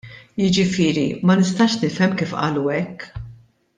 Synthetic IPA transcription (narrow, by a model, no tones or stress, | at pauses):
jɪd͡ʒɪfɪːɾimɐnɪst̪ɐːʃnɪfɛmːkiːfʔɐ̰ːluɛkː